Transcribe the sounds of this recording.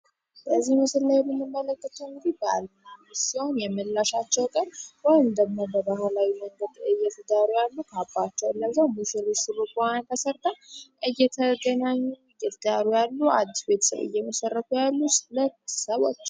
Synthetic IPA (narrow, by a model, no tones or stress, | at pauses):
bəzːihməsɨlːajɛmːɨnːɨmːələkːət̪ʰəwŋɡd̪ibəa̰lmasiho̞njɛməlːaʃat͡ʃːɛwkʼənwɔjɪmd̪əɡmo̞bəbahalawinəɡəd̪ɨjːɛt̪ʰɨd̪aɾujalːukʰabːat͡ʃːɛwɨlːəzəwmɨsɨɾisɨɾukʼuant̪ʰəsəɾt̪ʰəwʔɨjːɛt̪ʰəɡ̪ənaɲːuɨjːɛt̪ʰəd̪aɾujalːua̰d̪ːisbe̞t̪ʰəsə̰βɨ̰jːɛməsərːək̪ʰujalːusɨlətsəβo̰t͡ʃː